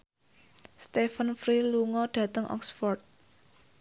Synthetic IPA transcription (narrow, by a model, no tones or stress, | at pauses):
st̪efənfɾiluŋɔɖ̥ä̤t̪əŋʔɔ̰ksfɔrt̪̚